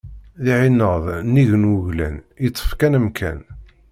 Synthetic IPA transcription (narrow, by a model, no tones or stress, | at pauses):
ðiʕinəðˤnːiʝənwʊʝlæ̰nit͡s̪ˤːə̥fkænəmkʰæ̰n